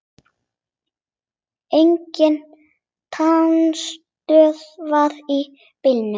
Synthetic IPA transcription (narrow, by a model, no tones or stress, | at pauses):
ejɲcɪn | t̪ʰanst̪œːðvaði | pɪlnʏ